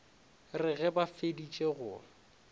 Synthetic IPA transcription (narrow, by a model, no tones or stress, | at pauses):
rɪɣɛbafedit͡ʃʼeɣʊ